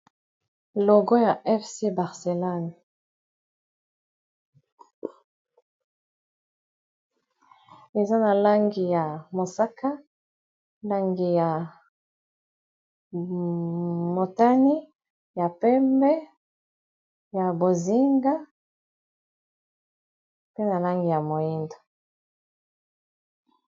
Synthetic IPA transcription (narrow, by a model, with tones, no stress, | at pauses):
lɔ˨ɡɔ˦ja˨ʔɛ˦fse˦ba˨ʁse˨lɔ˦n˨ | e˨za˦na˨la˦ŋɡi˨ja˨mo˨sa˦ka˦ | la˦ŋɡi˨ja˨ | mo˨ta˦ni˦ | ja˨pɛ˦mbɛ˦ | ja˨bo˨zi˦ŋɡa˦ | pe˦na˨la˦ŋɡi˨ja˨mo˨ji˦ndo̥˨